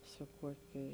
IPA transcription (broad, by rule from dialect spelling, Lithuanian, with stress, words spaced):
sʊ ˈkuɔkʲeː